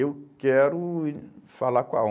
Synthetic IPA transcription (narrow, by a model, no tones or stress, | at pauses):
eukɛɾufalaka̰